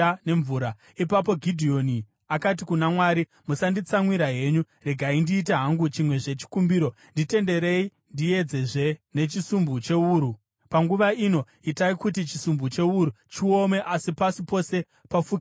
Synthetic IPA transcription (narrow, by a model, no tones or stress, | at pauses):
ne̞ɱvuːɾa | ipapo̞ɡʱidʱio̞ni | akat̬ikunamwaːɾi | musandit͡samwiɾaɦe̞ɲu | re̞ɡʱaindiːt̬eɦaŋɡut͡ʃimwe̞ʐe̞t͡ʃi̥kumbiɾo̞ | ndite̞nde̞ɾe̞i | ndie̞d͡ze̞ʐe̞ne̞t͡ʃisumbut͡ʃe̞uːɾu | paŋɡuʋaino̞ | itaikutit͡ʃisumbut͡ʃe̞uɾut͡ʃio̞me̞ʔasipasipo̞se̞ | pafuːk